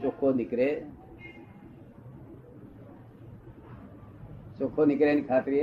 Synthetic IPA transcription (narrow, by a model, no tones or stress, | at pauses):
sokʰːonikɾe | sokʰːonikɾenikʰaːt̪ɾi